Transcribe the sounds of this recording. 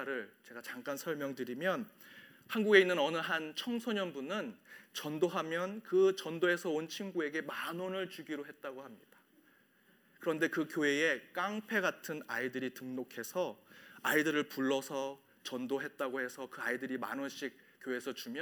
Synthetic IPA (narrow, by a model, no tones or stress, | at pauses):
ɾɯɭt͡ɕe̞ɡat͡ɕaŋk͈ansʰʌɭmjʌŋdɯɾimjʌn | hanɡuɡe̞inːɯnʌnɯɦant͡ɕʰʌŋsʰoɲʌnbunɯnt͡ɕʌndoɦamjʌnkɯt͡ɕʌndoe̞sʰʌont͡ɕʰinɡue̞ɡe̞manonɯɭt͡ɕuɡiɾoɦe̞t̚t͈aɡohamɲid̥ḁ | kɯɾʌnde̞kɯkjoeek͈aŋpʰe̞ɡatʰɯnaidɯɾitɯŋnokʰe̞sʰʌaidɯɾɯɭpuɭːʌsʰʌ | t͡ɕʌndoɦe̞t̚t͈aɡohe̞sʰʌkɯaidɯɾima̰nonɕ͈ik̚ | k͈ːjoe̞sʰʌt͡ɕumjʌ